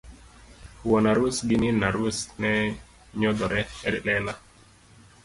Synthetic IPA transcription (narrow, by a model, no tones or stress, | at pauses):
wɔnaɾusɡininaɾwusnɛ | ɲɔd̪ɔɾɛɛɾilɛla